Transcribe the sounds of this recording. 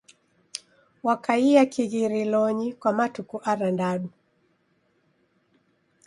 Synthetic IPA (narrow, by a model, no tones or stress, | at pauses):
wakaiakiɣiɾilɔɲikwamatukuʔaɾandaɗu